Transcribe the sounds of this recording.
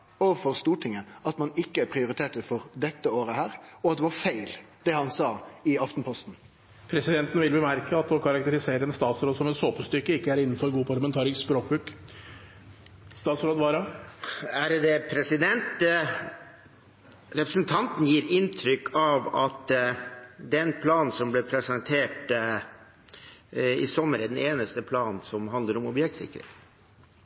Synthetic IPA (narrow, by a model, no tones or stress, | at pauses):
ɔfɔɾst̪uːʈʰɪŋəɑt̪mɑnɪkːəæɾpʰɾɪʊɾɪt̪ʰeːʈəfɔɾd̪ɛt̪ːəoːɾəhæːɾɔɑt̪̚d̪ɛʋɑɾfæɪl | d̪̥ɛhɑnsɑːɪɑft̪n̩pʰɔst̪n̩ | pʰɾɛsɪd̪ɛnt̪ən̩ʋɪlbəmæɾkəɑt̪ɔkʰɑɾɑk̚t̪əɾɪseːɾəɛnst̪ɑːt̪sɾoːd̪sɔmɛt̪soːpəst̪ʏkːəɪkːəæɾɪnːn̩fɔɾɡuːpʰɑɭəmɛnt̪ʰɑːɾɪŋsspɾoːk̚bʉːk | st̪ɑːt̪sɾoːd̪ʋɑːɾɑ | æɾd̪ɛpʰɾɛsɪd̪ɛnt̪ | ɾɛpɾəsnt̪ʰɑnt̪n̩jiːɾɪnt̪ʰɾʏkːɑʋɑ̰t̪ | d̪ɛnpʰlɑːn̩sɔmblɛːpʰɾɛsɛnt̪ʰeːʈ | ɪ̰sɔmːəɾɛd̪ɛneːnəst̪əpʰlɑːnsɔmɦɑnd̪ləɾɔmɔbjɛkt̪sɪ̰kːɾɪ̰ŋ